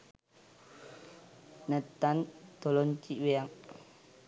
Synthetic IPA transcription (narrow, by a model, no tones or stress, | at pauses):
nət̪and̪̥ɔlɔnt͡ʃiʔweaŋ